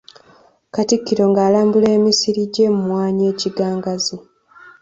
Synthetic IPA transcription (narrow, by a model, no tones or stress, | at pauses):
katikːiɾo̞ŋɡaːlaːmbule̞ːmisiɾiɟe̞mumwaːɲe̞ːciɡaːŋɡazi